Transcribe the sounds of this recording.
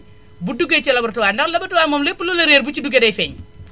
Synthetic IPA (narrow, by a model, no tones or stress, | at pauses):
buduɡet͡ʃɐlɐbɐrtuwaːndɐklɐbɐtuwaːnmɔːmlɛpːululɐɾeːɾbut͡ʃiduɡɛdɐjfɛɲ